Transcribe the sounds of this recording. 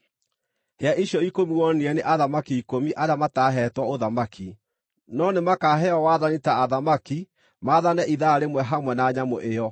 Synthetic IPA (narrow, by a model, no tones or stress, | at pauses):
heaʔiɕjɔikomiwɔniɛneʔaðamakiikomiʔaɾeamataɦɛtwaoðamakʰi | nɔnemakaɦɛɔwaðanitaːðamaki | maðanɛʔiðaːɾemwɛɦamwɛnaːɲamo̰ʔeɔ